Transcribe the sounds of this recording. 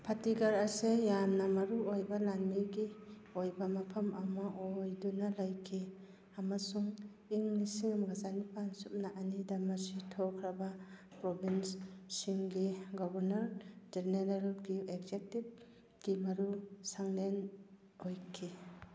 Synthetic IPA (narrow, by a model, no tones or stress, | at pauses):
pʰatiɡaɾasejamnamɐɾuojbalanmiɡi | ojbamapʰɐmɐmaʔojdunalajkʰi | amasuŋ | iŋnisiŋamɡazanipʰansup̚naʔanidamasitʰɔkʰɾaba | pɾɔbinssiŋɡiɡɔbaɾnaɾd͡ʒeɾneɾalɡieɡzek̚tip̚ | ɡ̥imɐɾusaŋlen | ojkʰi